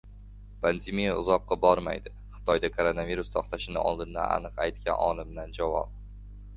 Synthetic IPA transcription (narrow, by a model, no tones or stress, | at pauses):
pʰand̪emijaʊ̰zɒp̚qɑbɒɾma̰jd̪ɪ | χɨ̥t̪ʰɒjd̪akʰoɾonaviɾust̪ʰɒχt̪ʰaʃɪnɪ̰ɒ̰lˠd̪ɪnd̪a̰na̰nɨqajt̪kʲanɒ̰lˠɪmd̪and͡ʒavɒ̰p̚